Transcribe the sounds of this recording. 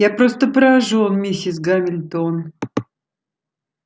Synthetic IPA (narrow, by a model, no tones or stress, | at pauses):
japɾost̪əpɾəaʐuonmʲisʲɪs̬ɡamʲɪlʲt̪on